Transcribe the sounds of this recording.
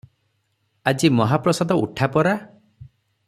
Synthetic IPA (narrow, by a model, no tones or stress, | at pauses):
ad͡ʒimɔɦapɾɔsad̪ɔuʈʰapɔɾa